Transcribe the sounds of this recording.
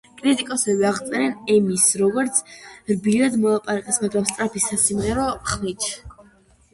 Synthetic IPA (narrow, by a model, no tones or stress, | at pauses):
kʼɾit̪ʼikʼɔsɛbiaʁt̪sʼɛɾɛnɛmisɾɔɡɔɾt̪sʰɾbiɾad̪mɔlˠapʼaɾakʼɛsmaɡɾamst̪ʼɾapʰisːasimʁɛɾɔχmit͡ʃʰ